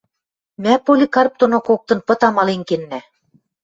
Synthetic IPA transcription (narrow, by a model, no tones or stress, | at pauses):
mæpolʲikɑrp̚t̪onokok̚t̪ɤ̆npɤ̆t̪ɑmɑleŋkenːæ